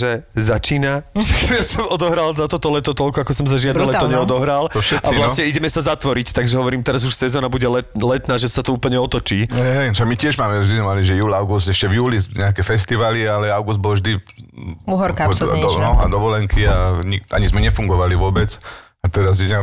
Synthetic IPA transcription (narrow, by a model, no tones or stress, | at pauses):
ʒɛzat͡ʃiːnaʒɛjasɔmɔd̪ɔɦɾalzat̪ɔt̪ɔlɛt̪ɔt̪ɔlkɔakɔsɔmzaʒɪad̪ɛlɛt̪ɔɲɛɔd̪ɔɦɾalɔʃɛʔsaiʋlassɲɛiɟɛmɛsazat̪ʋɔɾict̪aɡʒɛɦɔʋɔɾiːmt̪ɛɾazuʃsɛzɔːnabuɟɛlɛt̪lɛt̪naːʒɛsat̪ɔuːpl̩ɲɛɔt̪ɔt͡ʃiːɛɦɛjʃaɡmicɪɛʒmaːmɛʒd̪izmɛmaliʒɛjuːlaʊɡust̪ɛʃcɛvjuːliɲɛakɛfɛst̪iʋalialɛaʊɡuzd̪̚bɔlɔʒd̪i | uɦɔɾkaɔnɔɦa̰d̪ɔʋɔlɛŋkʰiaɲia̰ɲizmɛɲɛfuŋɡɔʋaliʋʊɔbɛt͡s | at̪ɛɾaz̬ɛɛ